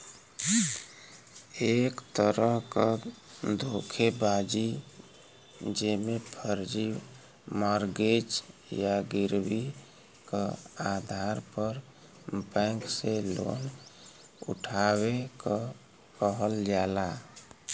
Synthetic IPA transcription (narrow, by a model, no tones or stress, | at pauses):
ekt̪əɾəɦkad̪ʱokʰebad͡ʒi | d͡ʒemepʰəɾd͡ʒi | maɾɡed͡ʒjaɡiɾbi | kaad̪ʱaɾpəɾ | bɛ̃ŋkselo̰n | ṵʈʰaβekə | kəɦəld͡ʒala